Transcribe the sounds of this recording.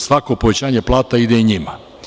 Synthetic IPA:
sʋako̞po̞ʋe̞t͡ɕaːɲeplˠaːt̪aid̪eiɲima

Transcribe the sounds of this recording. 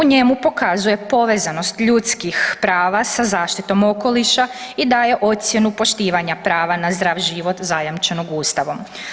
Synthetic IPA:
uɲe̞mupo̞kazuje̞po̞ʋe̞zano̞st̪ʎut̪skixpɾaːʋasazaːʃt̪it̪o̞mo̞ko̞liʃaid̪aːje̞ʔo̞t̪sje̞nupo̞ʃt̪iːʋaɲapɾaːʋanazd̪ɾaːʋʒiʋo̞t̪zajamt͡ʃeno̞ɡuːst̪aʋo̞m

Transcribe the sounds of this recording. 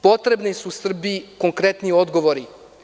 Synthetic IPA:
po̞t̪ɾe̞bnisusr̩biiko̞ŋkɾet̪nio̞d̪ɡo̞ʋoɾi

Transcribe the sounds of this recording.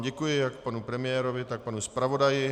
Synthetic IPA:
ɟɛkujɪjakpanupɾɛmɪjɛːɾovɪt̪ak̚panuspɾavo̞dajɪ

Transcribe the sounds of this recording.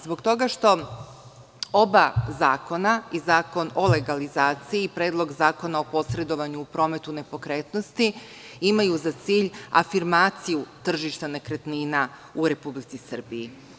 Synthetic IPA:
zbo̞ɡt̪o̞ɡaʃt̪o̞ | o̞bazaːko̞naizaːko̞no̞le̞ɡalizaːt̪siiːpɾeːd̪lˠo̞ɡzaːko̞nao̞po̞sɾe̞d̪o̞ʋaɲuːpɾo̞ːme̞t̪une̞po̞kɾeːt̪nost̪i | imajuzat̪siːʎa̰fiɾmaːt̪sijut̪r̩ʒiʃt̪ane̞kɾet̪niːna | uɾe̞publit̪sisr̩biji

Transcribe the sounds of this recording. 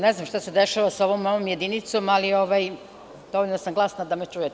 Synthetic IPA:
neznamʃt̪ased̪eʃaʋasaoʋomːojomje̞d̪init̪so̞malioʋaj | d̪̥oʋolʲnosamɡlˠasnad̪amet͡ʃuje

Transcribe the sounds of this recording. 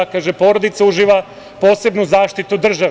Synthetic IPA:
kaːʒepo̞ɾod̪it̪sauʒiʋa | poːse̞bnuzaːʃt̪it̪ud̪r̩ʒa

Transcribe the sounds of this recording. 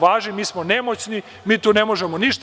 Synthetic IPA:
ʋaːʒnimiːsmonemot͡ɕni | miːt̪uːne̞mo̞ʒemoniʃt̪

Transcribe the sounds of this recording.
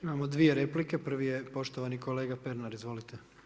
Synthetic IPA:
imamod̪ʋijeɾeplike̞pr̩ʋije̞po̞ʃt̪oʋaniko̞leːɡape̞ɾnaɾizʋo̞lit̪e

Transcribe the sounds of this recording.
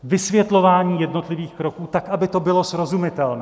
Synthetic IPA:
vɪsvjɛt̪lo̞vaːɲiːjɛdno̞t̪lɪviːxkɾo̞kuːt̪akʔabɪt̪o̞bɪlo̞sɾo̞zumɪt̪ɛlnɛː

